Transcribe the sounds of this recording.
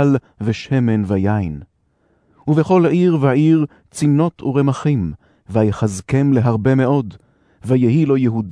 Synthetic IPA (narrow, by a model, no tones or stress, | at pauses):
l | veʃemenvajajn | uveχo̞lhaiʁveaiʁ | t͡sino̞tʰuʁemaχim | vajχazkemle̞ɦaʁbe̞me̞o̞d | vajeɦilo̞jeɦud